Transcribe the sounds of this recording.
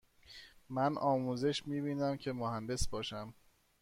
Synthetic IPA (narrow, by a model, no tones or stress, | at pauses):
mænʔɒːmuːze̞ʃmiːbiːnæmcʰe̞mohænd̪e̞sbɒːʃæm